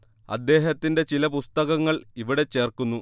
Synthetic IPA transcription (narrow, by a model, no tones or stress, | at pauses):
ɐ̰d̪ːe̞ːɦɐt̪ːinde̞t͡ɕilɐpust̪ɐɣɐŋːɐɭiʋiɽe̞t͡ɕːe̞ːrkunːu